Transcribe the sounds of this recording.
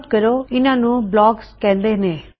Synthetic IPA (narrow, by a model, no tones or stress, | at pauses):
kəɾoːɪnãːnũːblɔːɡskɛ̃ːnd̪eːneː